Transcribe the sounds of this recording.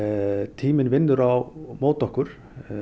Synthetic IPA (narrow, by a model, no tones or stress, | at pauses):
t̪ʰiːmɪnvɪnːʏɾawmoːwt̪ɔhkʏɾ̥